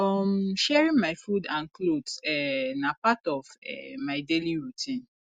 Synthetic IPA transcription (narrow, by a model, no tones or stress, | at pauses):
ɔmʃɛɹĩnmaɪfudãnklodsɛnapatɔvɛ̰maɪdeliɹutʰĩn